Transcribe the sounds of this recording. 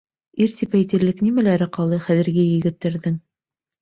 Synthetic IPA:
iɾt̪ipæjt̪ɘ̆ɾlɘknʲimælæɾɘqɑlˠɤχæðɘ̆ɾɡɘjɘ̆ɡɘ̆t̪ːæɾðɘŋ

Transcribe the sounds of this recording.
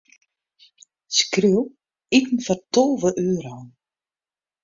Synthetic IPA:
skriw | itn̩fartɔlˠvəʔøːɾɔwn

